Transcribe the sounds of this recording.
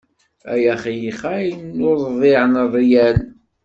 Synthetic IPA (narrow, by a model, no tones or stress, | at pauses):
æ̰jæχijiχæjnːoɾˤðˤɪʕnrˤːijæn